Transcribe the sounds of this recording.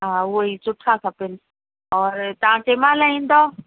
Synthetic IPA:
ɦaːʊɦoisʊʈʰakʰɐpɪnɪ̆ | ɔːɾt̪ɐʋ̤ãt͡ɕeːmaːlaĩːn̆d̪o

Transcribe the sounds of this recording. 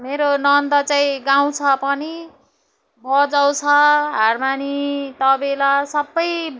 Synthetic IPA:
meɾonʌnd̪ʌt͡saĩɡaw̃t͡sʰʌpʌni | bʱʌd͡zaw̃t͡sʰʌɦarmanit̪ʌbelasʌbːʌj

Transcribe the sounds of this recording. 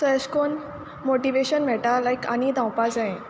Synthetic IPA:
sɔɛskon | moʈiʋeɕənʋ̤ɛʈalajka̰nid̪ãwpad͡zãẽ

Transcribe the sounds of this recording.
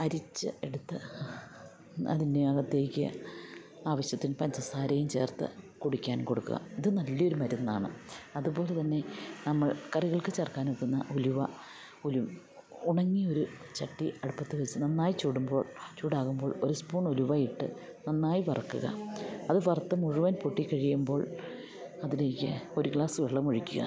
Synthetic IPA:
ɐɾit͡ɕːɨ̰e̞ɽut̪ːɨ | ɐ̰ðindeɐɣɐt̪ːe̞ːikʲːɨ̰ | aːʋɐɕjɐt̪ːinpɐɲt͡ɕɐsaːɾɐjumt͡ɕe̞̰ːrt̪ɨ̰koɽukʲːaːnko̞ɽukːṵɣɐ̰iðɨnɐlːɐo̞ɾumɐɾunːa̰ːɳɨ̰ɐðupo̞ːle̞t̪ɐnːe̞nɐmːɐɭkɐriɣɐɭkɨt͡ɕerkaːnukːunːɐ̰ʔuluʋɐ | ulum | uɳɐŋːio̞ɾut͡ɕɐʈːiɐɽupːɐt̪ːɨʋet͡ɕːɨnɐnːaːjit͡ɕuːɽumbo̞ːɭt͡ɕuːɽaːɣumbo̞ːɭo̞ɾuspuːɳoluʋaːjiʈːɨ̰ | nɐnːaːjipɐrɐkːṵɣɐ̰ɐðɨʋɐrt̪ːɐmuɻuʋɐnpoʈːikːɐɻijumbo̞ːɭ | ɐðile̞ːkʲːɨo̞ɾuɡɭaːsɨʋeɭːɐmoɻikʲːuɣɐ̰

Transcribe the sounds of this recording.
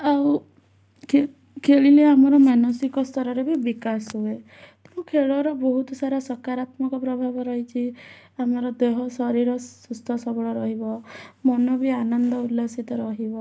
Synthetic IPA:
aw | e | kʰeɭileamɔɾɔmanɔsikɔst̪ʰɔɾɔɾebibikasɦue | t̪ũkʰeɭɔɾɔbɔɦut̪ɔsaɾasɔkaɾat̪mɔkɔpɾɔbʱabɔɾɔɦit͡ʃʰi | amɔɾɔd̪eɦɔsɔɾiɾɔsust̪ʰɔsɔbɔɭɔɾɔɦibɔmɔnɔbianɔnd̪ɔulːasit̪ɔɾɔɦibɔ

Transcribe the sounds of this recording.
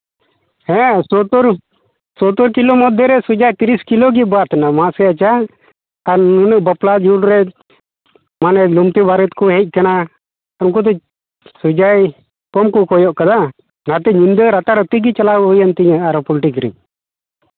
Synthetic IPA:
hɛ̃sɔt̪ɔɾ | sɔt̪ɔɾkilɔmɔd̪ʱːɛɾɛsud͡ʒajt̪iɾiskiloɡibat̪anamãsɛat͡ʃaː | ɾnunəʔbəplad͡ʒulɾɛ | manɛlumt̪ibaɾət̪kuɦɛc̚kana | uŋk̬ut̪̬ɛ | sud͡ʒaj | kɔmkukɔjɔʔkad̪a | nat̪ɛɲind̪əɾat̪aɾət̪iɡit͡ʃalaujant̪iɲaaɾpɔlʈikɾḭ

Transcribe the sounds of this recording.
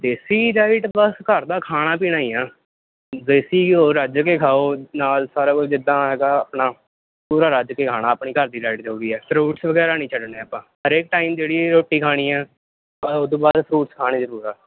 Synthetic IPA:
d̪eːsiːɾaːɪʈbəskəɾd̪aːkʰaːɽ̃aːp̬iːñaːiːãː | zesiːoːɾəd͡ʒkeːkʰaːoːnaːlsaːɾaːkod͡ʒɪd̪ãːɦɛːɡaːəpɳaː | puːɾaːɾəd͡ʒkeːkʰaːɽ̃aːəpɳiːkəɾd̪iːɾaːɪʈ̪ɦoːɡiːɛːpʰɾuːʈsʋəɡɛːɾaːnĩːt͡ʃʰəɖneːaːpãːɦəɾeːk̚ʈaːiːmd͡ʒeːɽiːɾoːʈːiːkʰaːɽ̃iːɛː | aoːd̪õːbaːd̪pʰɾuːʈskʰaːɽ̃eːzəɾuːɾaː

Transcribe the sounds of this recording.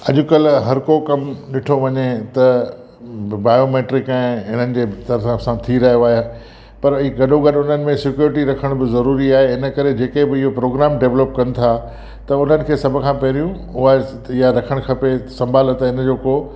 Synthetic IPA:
ɐʄʊ̆kɐlɦɐɾkokɐmɗɪʈʰoʋɐɲet̪ɐ | baːjoːmeːʈɾɪkɛ̃ːɪɦɪn̤ənɪ̆d͡ʑeːt̪ɐɾəsãsãt̪ʰiɾɐɦijoaːɦe | pɐɾiɡɐɗoɡɐɗʊn̤ənɪ̆mẽsɪkjuːɾɪʈiɾɐkʰəɽ̃bɪzɐɾuːɾiaːɦeɪnə̆kɐɾed͡ʑeːkebɪɪɦopɾoːɡɾaːmɖeːʋləp̚kɐnɪ̆t̪ʰa | t̪ɐʊn̤ənɪ̆kʰeːsɐbʱʊ̆kʰãːpɐɦɾijũ | ʊɦaːe | ijaɾɐkʰəɽ̃kʰɐpesɐ̃mbʱaːlət̪ɪnd͡ʑoːkoː

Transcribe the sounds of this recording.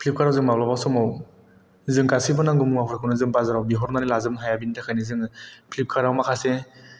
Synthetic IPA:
pʰlip̚kʰaɾawzɯŋmablawbasɔmaw | zɯŋkasibɯnaŋɡumuŋapʰɾakʰɯwnɯzɯŋpazaɾawbiɦɔɾnaɾilazɯmɦajabinitʰakʰajnizɯŋpʰlip̚kʰaɾawmakʰase

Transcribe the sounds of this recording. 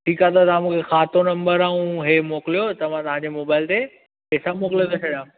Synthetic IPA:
ʈʰiːkat̪at̪ãmũːkʰexaːt̪onɐ̃mbəɾaːũɦemoːklijot̪ɐʋ̤ãt̪ɐʋ̤ãɲd͡ʑemoːbaːɪlt̪e | pɛːsamoːkɪljot̪ʰot͡ɕʰɐɗiãːũ

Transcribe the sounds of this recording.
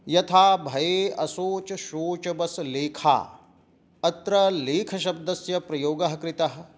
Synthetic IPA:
jɐt̪ʰaːbʱɐjeːɐsoːt͡ʃɐʃoːt͡ʃɐbɐsleːkʰa̰ː | ɐt̪ɾɐleːkʰɐʃɐb̚d̪ɐsjɐpɾɐjoːɡɐɦɐkɾit̪ɐɦɐ̆

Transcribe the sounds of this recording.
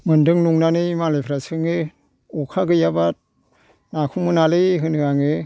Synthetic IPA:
mɯndɯŋnuŋnanɯmalepʰɾasɯŋe | ɔkʰaɡɯjaba | nakʰumɯnalejɦɯnɯaŋe

